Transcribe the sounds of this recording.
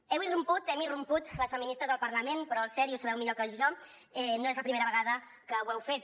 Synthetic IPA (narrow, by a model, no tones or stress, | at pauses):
ɛwirumput̪ɛmirumput̪ləsfəminist̪ɾəzðəlˠpəɾləmenpɾɔəlˠsɛɾiusəβɛwmiʎokəʒɔ | ɛnoezləpɾimeɾəβəɣaðə | kəwɛwfet̪̚